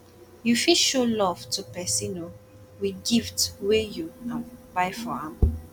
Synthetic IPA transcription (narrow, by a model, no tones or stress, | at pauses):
jufiʃolɔv̥tʰupɛsino | wiɡiftwejuãnbaɪfɔãm